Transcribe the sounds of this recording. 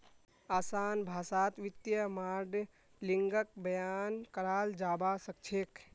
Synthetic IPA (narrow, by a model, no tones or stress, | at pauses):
aːsaːnbʱaːsaːt̪ʋɪt̪jəmaːɾɖ | liŋɡək̚bəjaːnkəɾaːld͡ʒaːbasək̚t͡ʃʰeːk